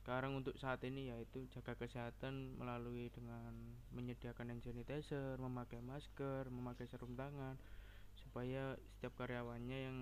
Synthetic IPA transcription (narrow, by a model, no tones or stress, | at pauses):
skaɾaŋunt̪ʊk̚saːt̪inijait̪ud͡ʒaɡ̥akəseɦat̪anmʔə̰laluid̥əŋan | məɲədiakanɛnsenit̪esərməmakajmaskərməmakajsəɾumt̪aŋan | supajasə̥t̪iap̚kaɾejawanɲajaŋ